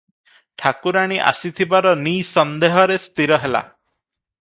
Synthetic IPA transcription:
ʈʰakuɾaɽ̃iʔa̰sit̪ʰibaɾɔnisɔnd̪eɦɔɾest̪iɾɔɦela̰

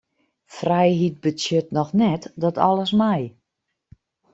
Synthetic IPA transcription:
frɛjɦit̚bəsjøtnɔxnɛtdɔtʰɔ̰ləsmɛj

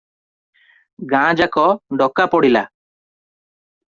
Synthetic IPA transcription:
ɡãd͡ʒakɔɖɔkapɔɽila̰

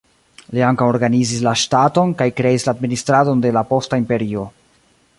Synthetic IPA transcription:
liaŋkawoɾɡanizislaʃtato̞nkajkɾe̞islaːdministɾado̞nde̞lapo̞staimpe̞ɾio̞

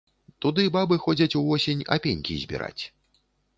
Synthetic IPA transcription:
t̪ud̪ɨbabɨxɔd͡zʲɐt͡sʲuvɔsʲenʲa̰pʲenʲkʲḭzʲbʲḭɾa̰t͡sʲ

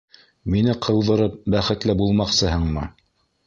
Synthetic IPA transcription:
minɘqʰɤ̆w̪ˠðɤ̆ɾɤp̚bæχɘ̆t̪lɘbulˠmɑqsɤɦɤɴmɤ

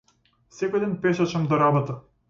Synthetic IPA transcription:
sɛkojd̪ɛnpɛʃat͡ʃamd̪ɔɾabɔt̪a

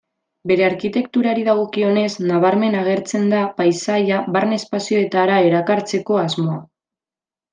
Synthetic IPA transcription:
be̞ɾe̞aɾkit̪e̞kt̪uɾaɾiðaɣ̞o̞kio̞ne̞znaβ̞aɾme̞naɣ̞e̞ɾt͡se̞nd̪apajsajaβaɾne̞spasio̞e̞t̪aɾae̞ɾakaɾt͡se̞ko̞azmo̞a

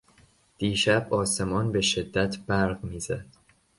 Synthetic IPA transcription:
d̪̥iːʃæbɒːse̞mɒːnbe̞ʃe̞d̪ːæt̪ʰb̥æɾɢmiːzæd̪̥

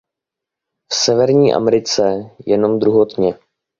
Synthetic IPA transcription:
fsɛvɛɾɲiːʔa̰mɛɾɪt͡sɛjɛno̞md̪ɾuɦot̪ɲɛ

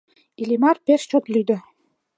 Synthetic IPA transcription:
ilʲimɑrpeʃt͡ɕot̪lyjd̪ə̆

